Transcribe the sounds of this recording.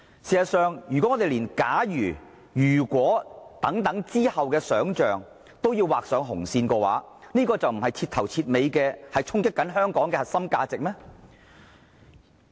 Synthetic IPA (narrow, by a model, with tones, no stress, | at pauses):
siː˨˩zɐ˨˩tsœː˨˧ŋjyː˨˩kɔ˨˥ŋːɔː˨˧t̪e˨liː˨˩nkaː˨˥jyː˨˩ | jyː˨˩kʷwɔː˨˥t̪ɐ˨˥ŋt̪ɐ˨˥ŋt͡siː˥hɐ˨wkɛː˧sœː˨˥ŋt͡ʃœː˨ŋ | t̪o˥wjiː˧wːaː˨k̚sœː˨˥ŋɦʊ˨˩ŋsiː˧nkɔː˧wa̰ː˨˥niː˥kɔː˧t͡sɐ˨wm̩˨˩hɐ˨jt͡sʰiː˧t̪̚ʰɐ˨˩wt͡sʰiː˧t̚me˨˧jkɛː˧hɐ˨jt͡sʰʊ˥ŋkɪ˥kːɐ˨˥nɦœː˥ŋkɔː˨˥ŋkɛː˧hɐ˨t̚sɐ˥mkaː˧t͡sɪ˨k̚mɛː˥